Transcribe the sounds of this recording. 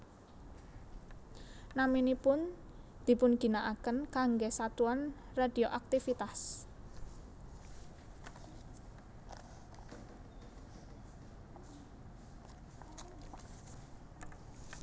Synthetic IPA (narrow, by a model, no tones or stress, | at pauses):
naminipʊn | d̪̥i̤pʊnɡ̥i̤naʔakənkaŋɡesat̪uan | rad̥ioʔak̚t̪ifit̪as